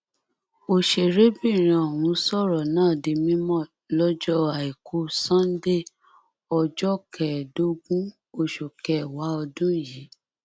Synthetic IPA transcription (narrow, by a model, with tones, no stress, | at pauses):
o˨ʃe˨ɾe˦bi˦˨ɾ̃ĩ˨ɔ˨w̃ũ˨˧sɔ˦˨ɾɔ˨nãː˦˨de˧mĩ˦mɔ̃˦˨ | lɔ˦d͡ʒɔ˦a˨i˨kʰo˨˦sã˦n̩˦de˦˨ | ɔ˧d͡ʒɔ˦kɛ˨do˨˦ɡũ˦ | o˨ʃo˨kɛ˨wa˨˦ɔ˧dũ˦˨ji˨˦